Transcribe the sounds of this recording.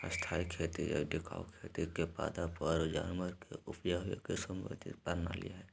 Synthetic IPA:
əst̪ʰaːikʰeːt̪iɛ̰ɖɪkʰa̰ːokʰeːt̪ikepa̰ːd̪apəɾd͡ʒa̰ːnməɾkḛʔʊpjaɦʊjḛkesəmbə̰d̪ḭpəɾna̰lḭjaɦɛː

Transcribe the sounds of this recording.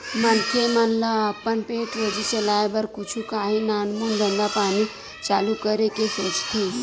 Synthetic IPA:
mənkʰemənlaːpəɳpeʈʋəd͡ʑit͡ɕelajbəɾkut͡ʃʰukaɦiːnanmund̪ʱənd̪apaɽ̃i | t͡salukəɾekesot͡ʃt̪ʰe

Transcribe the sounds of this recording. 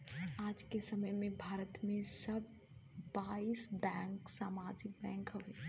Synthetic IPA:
aːd͡ʒkesəməjmẽbʱaːɾət̪mẽsɐbː | aisbɛ̃ːŋksaːmad͡ʒɪk̚bɛ̃ːŋkɦɐʋeː

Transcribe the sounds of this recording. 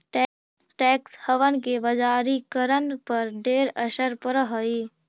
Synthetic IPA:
ʈː | ʈɛːkshəʋənkebɐd͡ʒaːɾikəɾənpɐɾɖeːɾəʃəɾpəɾɦəeː

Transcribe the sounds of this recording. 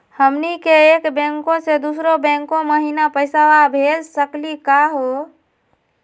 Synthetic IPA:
həmnikeeːkbɛ̃ŋkõsed̪uːsɾobɛ̃ːŋkõməɦinapəɪsaʋabʱeːlsəklikaɦo

